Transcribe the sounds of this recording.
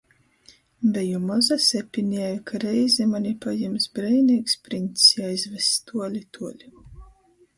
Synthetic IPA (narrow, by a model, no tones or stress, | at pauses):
bɛjumɔzasʲɛpʲiniɛjukʰaɾɛjzɛmanʲipajɛmsbɾɛjniːkspɾint̪sjajzvɛst̪uɔlʲit̪ʰuɔlʲi